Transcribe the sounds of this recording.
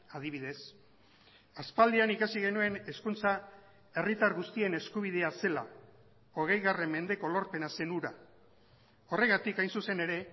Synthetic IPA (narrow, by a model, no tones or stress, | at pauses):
aðiβ̞iðe̞s | aspald̪ianikasiɣe̞nue̞ne̞skunt͡sa | e̞rit̪aɾɣust̪ie̞ne̞skuβ̞ið̞e̞ase̞la̰ | o̞ɣ̞e̞jɣare̞mːe̞nd̪e̞ko̞lo̞ɾpe̞nase̞nuɾa | o̞re̞ɣat̪ikajnsuse̞ne̞ɾe̞